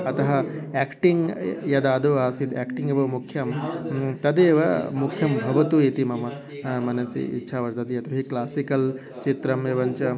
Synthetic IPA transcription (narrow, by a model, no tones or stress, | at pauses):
ɐt̪ɐɦɐeːkʈiŋɡjɐd̪aːd̪uaːsid̪aːkʈiŋɡebɐʋmukʰːjɐmt̪ɐd̪eːʋɐmukʰjɐmbʱɐʋɐt̪uit̪imɐmɐ | mɐnɐsḭḭtːʃʰaːʋɐɾt̪ɐd̪iɐt̪uɦiklaːsikɐl | t͡ʃit̪ɾɐmeːʋɐɲt͡ʃɐ